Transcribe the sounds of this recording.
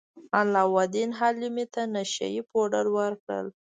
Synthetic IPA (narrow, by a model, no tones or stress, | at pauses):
alːɑwad̪inɦalimit̪anaʃa̰jipoɖəlwəɾkɽə̰l